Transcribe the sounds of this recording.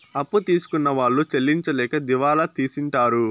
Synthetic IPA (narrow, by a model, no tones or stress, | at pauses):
ɐpːut̪iːsu̥kunːɐʋaːɭːut͡ʃelːiɲt͡ʃɐlɛːkɐd̪iʋaːlɐt̪iːsiɳʈaːɾu